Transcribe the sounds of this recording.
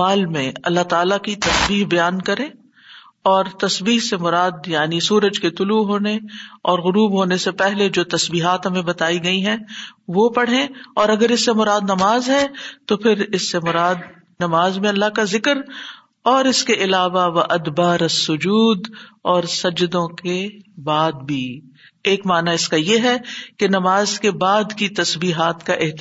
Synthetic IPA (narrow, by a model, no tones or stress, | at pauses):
maːlmẽɐlːat̪aːlakit̪ɐsbiːɦbɐjaːnkɐɾẽː | ɔːɾt̪ɐsbiːɦsemʊɾaːd̪jaːnisuːɾəd͡ʒket̪ʊluɦoːneɔːɾɣʊɾuːbɦoːnesepɛɦled͡ʒoːt̪ɐsbiːɦaːt̪ɦɐmẽbɐt̪aːiɡɐiɦɛ̃ʋopɐɽ̤ẽɔːɾɐɡəɾɪsːemʊɾaːd̪nɐmaːzɦɛt̪opʰɪɾɪsːemʊɾaːd̪ | nɐmaːzmẽɐlːaɦkazɪkəɾ | ɔːɾɪskeʔɪlaːʋaʋɐʔɐd̪baːɾɐsːʊd͡ʒuːd̪ɔːɾsɐd͡ʒd̪õkebaːd̪̚bʱiː | eːkmaːnaɪskajeɦɛkenɐmaːzkebaːd̪kit̪ɐsbiːɦaːt̪kaʔɪɦt̪